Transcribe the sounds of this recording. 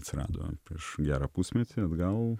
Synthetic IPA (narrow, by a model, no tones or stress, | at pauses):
ɐt̪ʲsʲɪɾɑ̰ːd̪o̰pʲɾʲiɛʃɡʲæːɾɐːpusʲmʲɛt̪ʲiɐd̪ɡɐlˠ